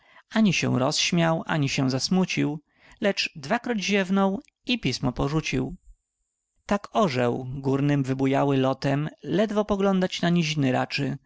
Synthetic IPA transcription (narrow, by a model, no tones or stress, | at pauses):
aɲiɕɛ̰̃w̃ɾɔsɕmʲjawʔa̰ɲiɕɛw̃zasmut͡ɕiw | lɛt͡ʂd̪vakɾɔd͡ʑʑɛvnɔw | ipʲismɔpɔʐut͡ɕiw | t̪akɔʐɛwɡuɾnɘmvɘbujawɘlɔt̪ɛmlɛd̪vɔpɔɡlɔnd̪at͡ɕnaɲiʑinɘɾa̰t͡ʂɘ